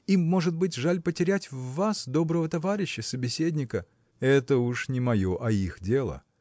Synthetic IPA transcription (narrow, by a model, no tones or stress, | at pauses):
imːo̞ʐɨt̪̚bɨt̬ʲʐalʲpətʲɪɾʲætʲvːasd̪o̞bɾəvət̪ɐvaɾʲɪɕːəsəbʲɪsʲedʲnʲɪkə | ɛt̪əuʂnʲɪmɐjo̞ʔɐixdʲe̞lˠə̰